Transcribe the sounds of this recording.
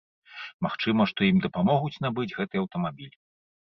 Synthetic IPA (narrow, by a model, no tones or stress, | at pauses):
maxt͡ʂɨmɐʂt̪ɔimd̪ɐpamɔɣut͡sʲnabɨd͡zʲɣɛt̪ɨjɐwt̪ɐmabʲilʲ